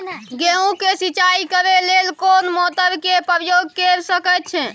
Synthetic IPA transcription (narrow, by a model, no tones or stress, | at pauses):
ɡeũkesit͡ʃaikəɾelelkonmɔt̪əɾkepəɾjoɡ̚keɾsəkɛt̪̚t͡ʃʰɛ̃